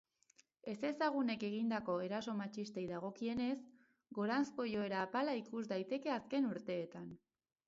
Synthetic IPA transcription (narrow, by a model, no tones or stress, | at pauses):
e̞se̞saɣ̞une̞ke̞ɣ̞ind̪ako̞e̞ɾaso̞mat͡ʃist̪e̞jðaɣ̞o̞kie̞ne̞s | ɡo̞ɾansko̞jo̞e̞ɾaːpalaikuzd̪ajt̪e̞ke̞aske̞nuɾt̪e̞ːt̪an